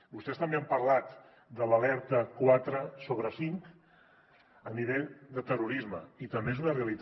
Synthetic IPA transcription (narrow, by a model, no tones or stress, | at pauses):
bust̪ɛst̪əmbeampəɾlat̪ | d̪ələlɛɾt̪əkwat̪ɾəsoβɾəsiŋk | əniβeʎd̪ət̪əruɾizməit̪əmbezunəreəlit̪